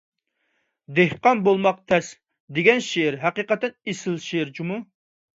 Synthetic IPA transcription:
d̪ehqɑnbolˠmɑq̚t̪ʰɛs | d̪eɡʲɛnʃeɾɦæqiqət̪ʰːɛnesɪlˠʃeɾt͡ʃʰumu

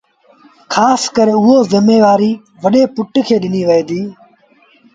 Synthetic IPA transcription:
kʰaːskəɾeːʊɦoːzɪmeːʋaːɾiː | ʋəɗeːpʊʈkʰeːɗɪniːʋəeːd̪iː

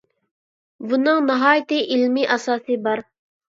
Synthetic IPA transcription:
bunɨŋnɑɦɑːjt̪ɪʔilmɪʔɑsɑːsɨbɑɾ

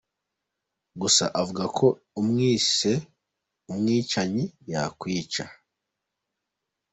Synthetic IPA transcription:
ɡusa̰ʔavuɡakʰo̞ | umŋiːse̞ | umŋiːt͡ʃaɲijakwiːt͡ʃa̰

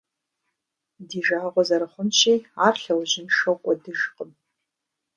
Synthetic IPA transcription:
diʒaːqʷʼazaɾɨχʷʊnʃʰejarɬawʒɪnʂɨkʷʼadɨʒqʼəm

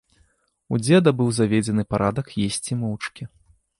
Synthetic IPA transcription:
ud͡zʲɛd̪ɐbɨwzavʲed͡zʲɛnɨpaɾʔad̪ɐkjesʲt͡sʲimɔwt͡ʂkʲi

